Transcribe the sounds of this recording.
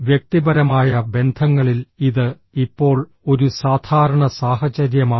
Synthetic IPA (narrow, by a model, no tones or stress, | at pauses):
ʋjek̚t̪ibɐɾɐmaːjɐbe̞nd̪ʱɐŋːɐɭiliðɨ | ipːo̞ːɭ | o̞ɾusaːd̪ʱaːɾɐɳɐsaːhɐt͡ɕɐɾjɐmaː